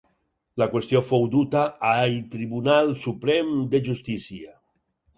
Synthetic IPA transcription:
lakwest̪jofowd̪ut̪aajt̪ɾiβunalˠsupɾɛmd̪eʒust̪isia

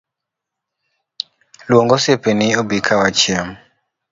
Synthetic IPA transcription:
lwɔŋɡɔsepeniobikʰawat͡ʃiam

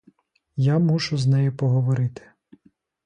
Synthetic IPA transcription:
jamut͡ʃʊznɛjipɔɦɔʋɔɾɪt̪ɪ̥

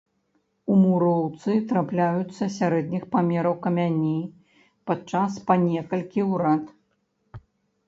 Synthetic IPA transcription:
umuɾɔwt̪sɨt̪ɾaplʲajut̪sːɐsʲaɾɛd̪nʲixpamʲɛɾɐwkɐmʲanʲi | pat͡ʂaspanʲɛkɐlʲkʲiwɾat̪

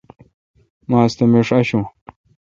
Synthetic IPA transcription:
mãːst̪ɐmiʂɐɕũː

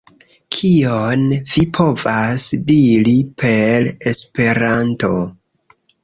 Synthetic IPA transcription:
kʰionvipʰo̞vasdiɾipʰe̞le̞spe̞ɾanto̞

